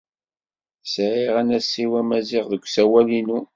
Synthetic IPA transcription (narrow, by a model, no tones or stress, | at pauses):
sʕiʁænæsiwæmæzɪʁðəkʷːsæwælinu